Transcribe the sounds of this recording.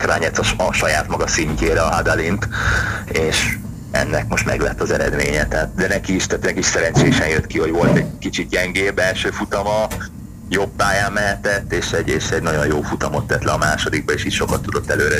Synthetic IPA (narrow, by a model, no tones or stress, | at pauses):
kraːɲɛt̪ːɒɒʃɒjaːt̪mɒɡɒsiɲceːɾɛɒɦad̪alint̪ | eːʃ | ɛ̰nːɛkmo̞ʃt̪mɛ̰ɡlɛ̰t̪ːɒzɛɾɛ̰d̪mḛːɲɛt̪ɛaːt̪̚d̪ɛnɛkiʃt̪æt̪nɛkiʃsɛɾɛnt͡ʃeːʃɛnjøt̪kiɦo̞ɟʋo̞lt̪ɛɟ̚kit͡ʃit̪̚jɛŋɡeːbɛlʃøːfut̪ɒmɒ | jobːaːjaːmːɛɦɛt̪ɛt̪ːeːʃɛɟeːʃɛɟnɒɟo̞njoːfut̪ɒmo̞t̪ːɛt̪lɛɒmaːʃo̞d̪iɡ̚bɒeːʃiːtʃo̞kɒt̪ːud̪o̞t̪ːɛløːɾɛ